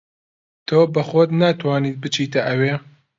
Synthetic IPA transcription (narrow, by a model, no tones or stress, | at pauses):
t̪ʰoːbɐxoːt̪naːt̪ʰwaːniːt̪̚bɨt͡ʃʰiːt̪ɐʔɐweː